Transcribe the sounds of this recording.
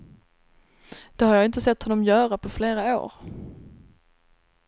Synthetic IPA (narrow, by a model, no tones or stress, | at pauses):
d̪̥ɛhaɾjɑːɪnt̪əsɛt̪ːhɔnːɔmjœːɾapʰɔfleːɾao̰ːɾ